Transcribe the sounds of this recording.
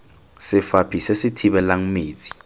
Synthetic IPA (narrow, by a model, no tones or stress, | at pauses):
sɪfapʰisɛsɪtʰiɓɛlaŋ̩meːt͡sʼi̥